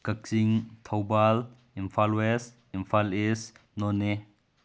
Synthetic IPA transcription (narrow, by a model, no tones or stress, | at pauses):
kɐk̚siŋtʰawbal | impʰalwes | impʰalisnɔne